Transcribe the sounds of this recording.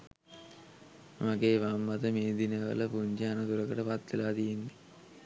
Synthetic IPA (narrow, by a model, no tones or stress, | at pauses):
mɐɡeːʋaːmːɐt̪ɐmeːd̪inɐʋɐ̰lɐpuɲd͡ʒaːnɐd̪uɾɐkɐʈɐpɐt̪ːilaːd̪ijind̪i